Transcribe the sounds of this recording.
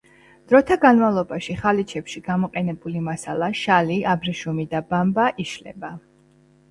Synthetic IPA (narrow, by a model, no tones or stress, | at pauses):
d̪̥ɾɔt̪ʰaɡanmavlˠɔbaʃiχalit͡ʃʰɛpʃiɡamɔqʼɛnɛbulimasalˠaʃaliabɾiʃumid̪abambaʔiʃlɛ̰ba